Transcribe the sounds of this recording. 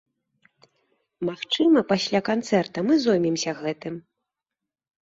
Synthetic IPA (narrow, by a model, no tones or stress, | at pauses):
maxt͡ʂɨmɐpasʲlʲakant̪sɛrt̪ɐmɨzɔjmʲimsʲɐɣɛt̪ɨm